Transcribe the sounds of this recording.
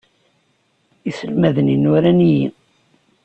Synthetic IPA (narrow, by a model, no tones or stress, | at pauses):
isəlmæðəninuɾæniji